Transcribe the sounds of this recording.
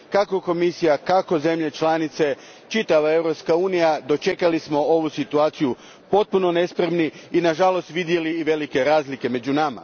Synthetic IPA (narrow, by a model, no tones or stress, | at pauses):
kakoko̞misijakako̞ze̞mʎe̞t͡ʃlanit̪se̞ | t͡ʃit̪aʋae̞wɾo̞pskauːnijad̪o̞t͡ʃe̞kalismo̞o̞ʋusit̪uaːt̪siju | po̞t̪̚puno̞ne̞spɾemniinaʒalo̞st̪ʋid̪je̞liːʋe̞like̞ɾaːzlike̞me̞d͡ʑunama̰